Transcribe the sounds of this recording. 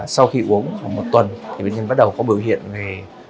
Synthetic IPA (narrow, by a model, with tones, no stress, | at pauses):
sa˧wxi˧ʔu˨˦əŋa˨˩mo˨˩t̚t̪wə˨˩nt̪ʰi˨˩ɓḛ˧˨nɲə˧nɓa˦˥ɗə˨˩wkɔ˨˦ɓi˧˩əwɦḭ˧˨ənve˨˩